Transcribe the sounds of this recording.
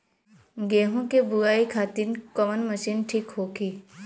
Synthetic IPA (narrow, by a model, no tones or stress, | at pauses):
ɡeːɦõkebuaːikʰaːt̪ɪnkəmənməʃiːnʈʰikɦoːkiː